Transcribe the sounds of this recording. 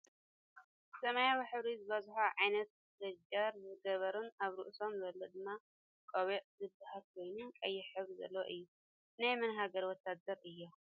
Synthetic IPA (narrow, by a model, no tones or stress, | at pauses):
sɐmajawiħɨβɾizɨβɐzħaʕajnɐt̪̚ | zɐɡaɾzɨɡɐβɐɾɨnaβɾɨʔso̞mzɐlːod̪ɨmːa | kʼoβeʔʼzɨbahalkʰo̞jnɨnkʼɐjːɛħɨβɾizɐ̰lːɐwo̰ʔɨjːu | najmɨnɦaɡɐɾwɔt̪ʰːad̪ɐɾɨjːo